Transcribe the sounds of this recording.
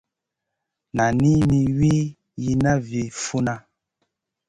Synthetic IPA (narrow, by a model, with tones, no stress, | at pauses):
na˨ni˦ni˦wi˦ | ji˦na˦vi˨fu˦na˦